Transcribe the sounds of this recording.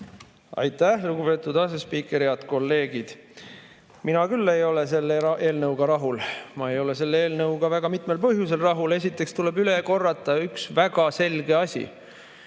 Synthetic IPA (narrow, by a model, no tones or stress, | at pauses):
ɑ̰jt̪ːˑæhluɡ̥ube̞ːt̪ːˑud̪ɑs̬espiːkˑeɾiɑt̪ko̞lːe̞ːɡ̥id̪̥ | minɑkylːe̞jo̞le̞s̬e̞lːee̞ːlnɤwɡ̥ɑɾɑɦulmɑejo̞le̞se̞lːeːlnɤwɡɑvæɡ̥ɑmit̪ˑme̞lpɤɦjuse̞lrɑɦule̞s̬ʲit̪ːˑe̞kst̪ule̞byle̞ko̞rːɑt̪ːˑɑyksvæɡ̥ɑse̞lɡe̞ɑsʲḭ